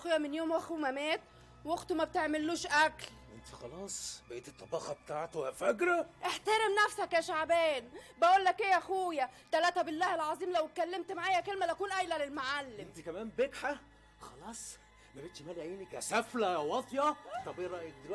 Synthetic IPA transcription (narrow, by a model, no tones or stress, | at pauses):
xoːjːæmenjoːmwæxumæmæːt̪ | woxt̪umæb̚t̪eʕmɪlːuːʃʔækl | ʔent̪i̥xɑlɑːsˤbeʔeːt̪et̪ˤːɑbɑːxɑbet̪aːʕt̪ofækɾˤæʔeħt̪æɾemnæfsækjæʃaʕbæːnbæʔuːlːækʔejːæxuːjæt̪ælæːt̪æbɪlːæːhelʕɑzˤiːmlæwt̪̚kælːemt̪maʕaːjækelmælʔækuːnʔæjlælelmaʕalːeent̪ikæmæːmbekħa | xɑlɑːsˤ | mæbeːt̪ʃmæːliʔeːnikæsæflæwɑt̪ˤjɑt̪ˤːɑbeɾˤɑʔed̪